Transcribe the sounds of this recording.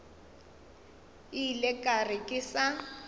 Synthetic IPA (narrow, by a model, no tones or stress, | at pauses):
ilɛkʼarɪkʼɪsa